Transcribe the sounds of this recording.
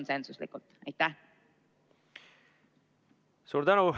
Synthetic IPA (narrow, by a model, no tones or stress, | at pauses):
nsensuslḭkult̪ɑjt̪æh | suːɾt̪ænu